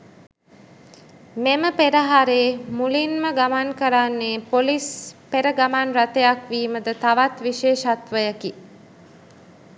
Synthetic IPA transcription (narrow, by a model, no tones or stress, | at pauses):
meməpeɾəɦaɾeːmulinməɡamankəɾanːeːpolispeɾəɡamanrat̪ejakʋiːməd̪ət̪aʋat̪ʋiʃeːʃat̪ʋəjəki